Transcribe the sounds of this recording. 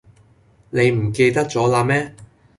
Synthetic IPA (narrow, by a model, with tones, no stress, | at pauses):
ne˨˧jm̩˨˩ke˧jt̪ɐ˥k̚t͡sɔː˨˥laː˧mɛː˥